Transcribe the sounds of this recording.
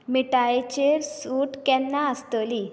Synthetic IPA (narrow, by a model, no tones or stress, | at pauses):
miʈajt͡ɕeɾsuʈkɛ̃nːaəst̪əli